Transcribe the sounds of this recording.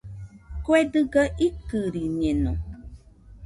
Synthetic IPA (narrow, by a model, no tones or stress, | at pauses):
koɛdɨɡəʔikɨɾiɲɛ̃nɔ̃